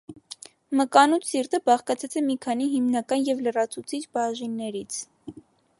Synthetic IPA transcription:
məkɑnut͡sʰsirt̪əbɑχkɑt͡sʰɛt͡sɛmikʰɑniɦimnɑkɑnjɛvlərɑt͡sʰut͡sʰit͡ʃbɑʒinːɛɾit͡sʰ

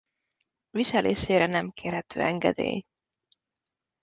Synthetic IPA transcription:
viʃɛleːʃeːɾɛnɛmkʰeːrhɛt̪ʰøːɛŋɡɛ̰d̪ḛːj

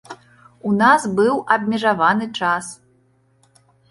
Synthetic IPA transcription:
unasbɨwɐbʲmʲɛʐavanɨt͡ʂas

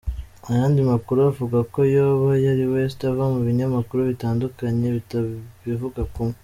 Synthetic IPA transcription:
ajaːndimakuɾuavuɡako̞joːβajaɾiwestavamuβiɲamakuɾuβitaːndukaɲe̞βivuɡakume

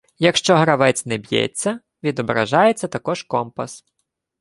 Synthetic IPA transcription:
jɐkʃt͡ʃɔɦɾɐʋɛt͡sʲnɛbʲjɛ̰t͡sʲːɐ | ʋʲid̪ɔbɾɐ̰ʒɑjet͡sʲːɐt̪ɐkɔʒkɔmpɐs

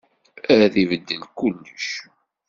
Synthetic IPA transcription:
æɾθivəd̪ːəlkːulːəʃ

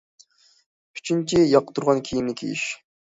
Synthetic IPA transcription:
pʰy̥t͡ʃʰint͡ʃʰijɑqːt̪ʰuɾʁɑnkʲʰijimnikʲʰḭjḭʃ

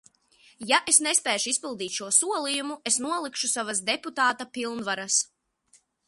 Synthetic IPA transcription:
jaʔesnespɛːʃuispilˠd̪iːt̪ʲʃuɔsuɔlˠijumuesnuɔlˠikʃusavasd̪eput̪aːt̪apilˠnvaɾas

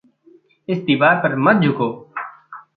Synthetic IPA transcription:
ɪsd̪iːbaːɾpəɾmət̪̚d͡ʒʱʊkoː

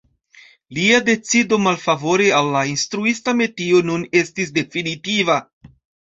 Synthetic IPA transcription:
liade̞t͡sido̞malfavo̞ɾialːainstɾuistame̞tio̞nune̞stis̬de̞finitiva

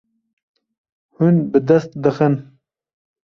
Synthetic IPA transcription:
hunbɨd̪ɐst̪d̪ɨxən

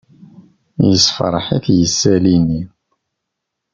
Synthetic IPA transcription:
jəsfɾˤəħiθjəsːælini

